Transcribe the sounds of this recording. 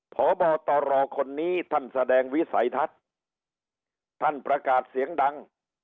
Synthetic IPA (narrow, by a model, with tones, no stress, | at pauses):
pʰɔː˨˩˦bɔː˨˩k̚t̪ɔː˨˧ɾɔː˧kʰo˧nːiː˦˥t̪ʰa˥˩nsa˧dɛː˧ŋwi˦˥sa̰˩˦jt̪ʰa˦˥t̪̚ | t̪ʰːa˥˩npɾa˧kaː˨˩t̪̚si˨˩˦əŋda˧ŋ